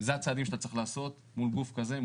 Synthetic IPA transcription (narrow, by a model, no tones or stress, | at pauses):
zeat͡saːd̪imʃet̪at͡sʁeχlaːso̞t̪ | mulɡufkaze̞m